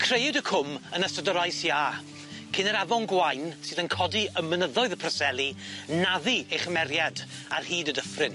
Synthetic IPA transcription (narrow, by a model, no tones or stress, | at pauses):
kʰrejdəkʰʊmənəstədɔɾajsjaː | kʰɪnɛɾavɔnɡwajnsɨːðənkʰɔdiəmənəðɔɨðəpʰrəsɛlˠinaðiejχəmɛrjad | a̰rhiːdədəfrɪn